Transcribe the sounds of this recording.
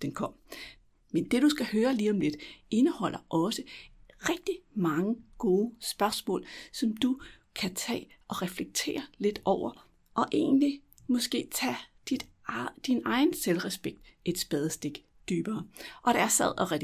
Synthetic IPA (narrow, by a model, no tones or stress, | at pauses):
d̥enkʰɒ̽m̰ | mend̥e̝ɾ̥usɡ̥æhøːɐliːɒ̽mle̝d̥e̝nəhɒ̽l̰ɐʔɒ̽səʁɛɡ̥̚d̥imɑ̈ŋəɡ̥o̝ːsb̥ɶɐsmɔ̰̽ːlsɒ̽md̥u | kʰæt͡sʰɛ̰ːʔɒ̽ʁɛfleɡ̥̚t͡sʰe̝̰ːɐle̝d̥ɒʊ̰ɐ | ʔɒ̽ʔe̝̰ːnli | mɒ̽sɡ̥e̝̰ːt͡sʰɛd̥id̥ | d̥inɑ̈ɪn̩selʁɛsb̥eɡ̥̚d̥e̝d̥sb̥ɛð̞ˠsd̥e̝ɡ̥ | d̥yːb̥ɐːʔɒ̽ɾ̥ɑæɐsæð̰ˠɒ̽ʁɛ